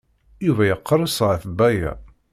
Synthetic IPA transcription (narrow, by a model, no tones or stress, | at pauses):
juvæjəqːɾˤəsˤʁaθbæjæ̰